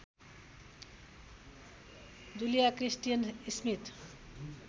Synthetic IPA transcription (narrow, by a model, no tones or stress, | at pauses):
d̪ulijakrisʈijənismit̪